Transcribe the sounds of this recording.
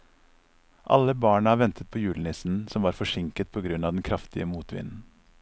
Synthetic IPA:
ʔɑ̰ləbɑːɳəɑːʋɛnt̪ʰət̪̚pʰoːjʉːln̩ɪsn̩sɔmʋɑːɾfɔʂɪŋkət̪̚pʰoːɡɾʉnɑːd̪ɛnkʰɾɑft̪ɪəmuːt̪ʋɪ̰nn̩

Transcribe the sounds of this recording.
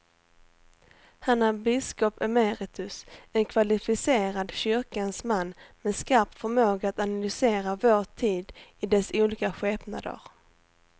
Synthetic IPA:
hanabɪskɔpɛmeɾɪt̪ʰɵsɛnkʰvalɪfɪseːɾad̪ɕʏɾkansmanːmɛd̪skaɾpt̪fœɾmoːɡaat̪analʏseːɾavoːʈʰiːd̪ɪd̪ɛsuːliːkaɧɛːpna̰d̪ə̰ɾ

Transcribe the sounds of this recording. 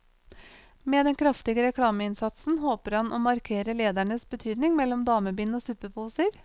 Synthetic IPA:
meːd̪ɛnkʰɾɑft̪ɪɡəɾɛkʰɽɑːməɪnsɑt̪sn̩ɦoːpəɾhɑnʔoːmɑɾkʰeːɾəleːd̪æɳəsbət̪ʰyːd̪nɪŋmɛlːɔmd̪ɑːməbiːnoːsʉːpəpʰuːsəɾ

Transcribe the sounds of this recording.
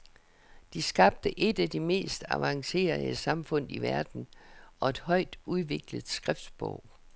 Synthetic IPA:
d̥isɡ̥ɑ̈b̥̚d̥əʔe̝d̥æd̥ime̝̰ːsd̥æʋɑ̈ŋse̝̰ːɐəsɑ̈mfɔ̽n̰iʋæɐd̥n̩ɒ̽e̝d̥hɒ̽ɪ̰d̥uð̞ˠʋe̝ɡ̥ləð̩ˠsɡ̥ʁɛfd̥sb̥ɔ̰ʊ̰

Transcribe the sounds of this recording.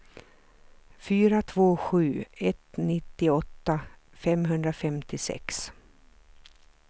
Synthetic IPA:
fyːɾat̪ʰvoːɧʉ̟ːɛt̪nɪt̪ːɪɔt̪ːafɛmɦɵnd̪ɾafɛmt̪ɪsɛ̰ks

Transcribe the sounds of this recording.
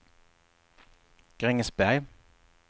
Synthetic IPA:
ɡ̥ʁɪŋəsbæɪ

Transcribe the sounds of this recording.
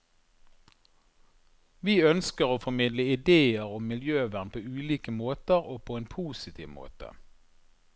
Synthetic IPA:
ʋiːœnskəʁoːfɔmɪd̪ləɪd̪eːəʁɔmmɪljøːʋæʁnpʰoːʉːliːkəmoːt̪əʁoːpʰoːeːnpʰuːsɪt̪ʰḭːʋmo̰ːt̪ə̰

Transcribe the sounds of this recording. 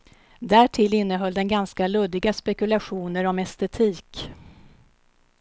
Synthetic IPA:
d̪æʈʰɪlɪnːəɦœlːd̪ɛnɡanskalɵd̪ɪɡaspɛkɵlaɧuːnəɾɔmɛst̪ɛt̪ʰiːk

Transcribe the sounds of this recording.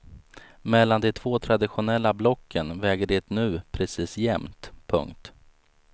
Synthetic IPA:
mɛlːand̪ɛt̪ʰvoːt̪ʰɾad̪ɪɧʊnɛlːablɔkʰːənvɛːɡəɖɪt̪nʉ̟ːpʰɾɛsiːsjɛmt̪pʰɵ̰ŋkt̪

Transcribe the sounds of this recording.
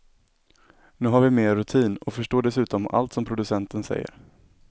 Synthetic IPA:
nʉ̟ːɦaɾvɪmeːɾːɵt̪ʰiːnɔfœʂʈoːɖɛsʉ̟ːt̪ɔma̰lt̪sɔmpʰɾʊd̪ɵsɛnt̪ənsɛ̰jːə̰ɾ

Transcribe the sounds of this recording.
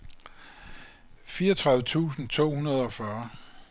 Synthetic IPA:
fiːɐɒt͡sʰʁɑ̈ðʋət͡sʰṵːsn̩t͡sʰo̝̰ːhunɐð̞ˠɒ̽fɶːɐ

